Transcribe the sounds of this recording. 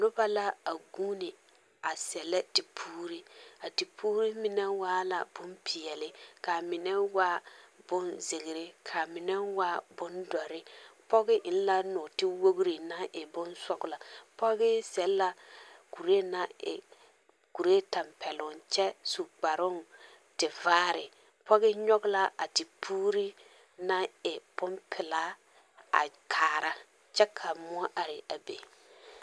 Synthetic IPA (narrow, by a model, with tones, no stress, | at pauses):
nʊ˦ba˦la˦a˨ɡuː˦nɪ˨ | a˨sɛ˨lɛ˦ti˨pʰuː˦ɾi˦a˨ti˨pʰuː˦ɾi˦mɪ˨nɛ˦waː˦la̰˨b̥ʊ˦mpʰi˨jɛ˨lɪ˦ka˨mɪ˨nɛ˦wa˦b̥ʊ˦nze˨ɣɪ˨ɾɪ˦kʰa˨mɪ˨nɛ˦wa˦bʊ˦ndɔ˨ɾɪ˦pɔ˦ɡɪ˦ʔɪ˨n˦la˦nʊ˨tɪ˦wo˦ɣɾi˨na˦ʔɪ˨bʊ˦nsɔ˦kʊ˨la˨pɔ˦ɡɪ˦sɛ˨lːa˨ku˨ɾe˦na˦ɪ̰˨ | ku˨ɾe˦ta˨mpɛ˨lʊ˨nt͡ʃɛ˦su˨k͡pa˨ɾʊ˦n | tɪ˨vaː˦ɾɪ˨ | pɔ˦ɣɪ˦ɲɔ˦ɡla˦a̰˨tɪ˨pʰuː˦ɾi˦ | na˦ɪ˨b̥ʊ˦mpʰɪ˨la˦ | a̰˨kʰaː˨ɾa˦ | t͡ʃɛ˦kʰa˨mʊ˦a˦ʔa˨ɾɪ˨ʔa˨bḛ˨